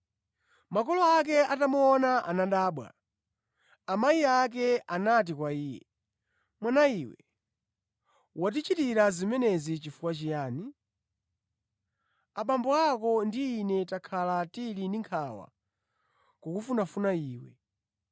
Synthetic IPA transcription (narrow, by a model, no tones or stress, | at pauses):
makɔlɔak̬ɛatamuɔnaʔanaɗaːɓwa̰ | amaiak̬ɛanat̬ikwaiːjɛ̰ | mwanaiːwɛ̰ | wat̬it͡ʃitiɾazimɛnɛzit͡ʃifukwat͡ʃijaːni | aɓambɔakɔndiːnɛtakʰalatilindiŋkʰawa̰ | kɔkufunafunaiːwɛ̰